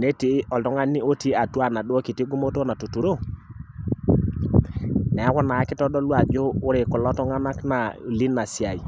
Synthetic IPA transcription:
ne˦ti˨˦ɔ˨ltɔ˦ŋa˦ni˦o˦ti˦a˨twa˦˨na˨dwo˦ki˨ti˦ɡu˦mo˦to˦na˨tu˨tu˨ɾo˦ | nɛ˨a˦kɔ˦na˨a˦kɪ˦tɔ˦dɔ˦lwa˨d͡ʒoː˦ɾe˨kɔ˨lɔ˦tɔ˦ŋa˦na˦kna˨li˦na˨sja˨i˨

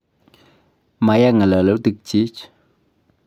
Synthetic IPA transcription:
ma˨˦ja˦ŋa˨lə˨lə˨˦wt̪i˨k̚t͡ʃi˦t͡ʃ

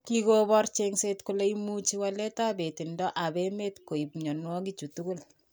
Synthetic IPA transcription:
ki˦kobɔrt͡ʃeŋse˦tku˦le˦imu˦t͡ʃi˦wale˦ta˦be˨ti˨ndɔ˦ʔa˨bemetko˨i˨pɲɔ˨nwɔ˦ki˦t͡ʃu˨tu˦ku˦l

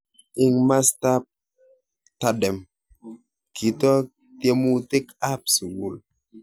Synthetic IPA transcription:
i˦ŋma˦sta˦p̚ | ta˦dɛ˨m | kʰi˨tɔ˦ | tje˦mu˦te˦ka˦psi˨wu˨l

